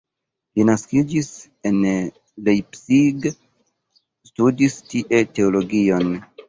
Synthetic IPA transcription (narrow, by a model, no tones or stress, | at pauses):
linaskid͡ʒis | e̞n | lejpsiɡ | studistiʔe̞te̞olo̞ɡio̞n